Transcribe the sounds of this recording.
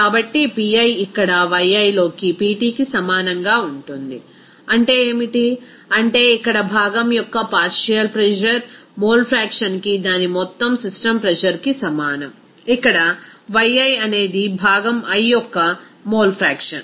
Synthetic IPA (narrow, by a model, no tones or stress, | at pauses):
kaːbɐʈːipiɐjikːɐɽɐʋɐjɐjlo̞ːkipiːʈiːkisɐmaːnɐŋɡaːuɳʈund̪i | ɐɳʈe̞ːeːmiʈi | ɐɳʈe̞ːikːɐɽɐbʱaːɡɐmjɔkːɐpaːɾʂijɐlpɾɛd͡ʒɐɾ | moːlpʰɾaːkʂɐnkid̪aːnimɔt̪ːɐmsisʈɐmpɾɛd͡ʒɐɾkisɐmaːnɐm | ikːɐɽɐʋɐjɐjɐne̞ːd̪ibʱaːɡɐmɐjːɔkːɐ | moːlpʰɾaːkʂɐ̰n